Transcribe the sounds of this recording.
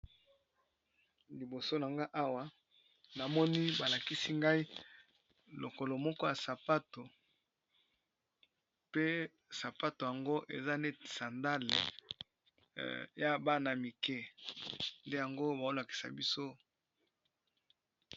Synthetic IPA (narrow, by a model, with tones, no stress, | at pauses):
li˨bo˨so˦na˨ŋɡa˦ʔa˦wa˦ | na˨mɔ˦ni˦ba˨la˨ki˦si˦ŋɡa˦i˦ | lo˨ko˨lo˨mɔ˦kɔ˦ja˨sa˨pa˦to˨ | pe˦ | sa˨pa˦to˨ja˨ŋɡo˦ʔḛ˨za˦nde˦˨sa˨nda˦lḛ˨ | ja˦ba˦na˨mi˨kɛ˦ | nde˦ja˨ŋɡo˦ba˨o˦la˨ki̥˨sa̰˨bi˦so˦